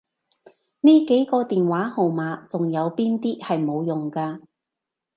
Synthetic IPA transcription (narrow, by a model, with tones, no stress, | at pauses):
niː˥ke˨˥jkɔː˧t̪iː˨nwaː˨˥ho˨wmaː˨˧˥t͡sʊ˨ŋjɐ˨˧wpiː˥nt̪iː˥hɐ˨jmo˨˧wjʊ˨ŋkaː˧